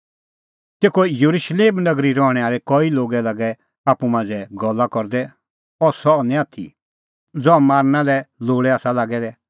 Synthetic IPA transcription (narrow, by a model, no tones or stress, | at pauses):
t̪eːkʰojəɾuʃleːmnɐɡɾiɾɔɽ̃ɛaːɭɛkɔiloːɡɛlɐɡɛ | aːpːumãːd͡zɛɡɔlːakɔɾd̪ɛ | ɔsɔnɛ̃aːt̪ʰḭ | d͡zɔamaːɾnalɛloːɽɛaːsalaːɡɛd̪ɛ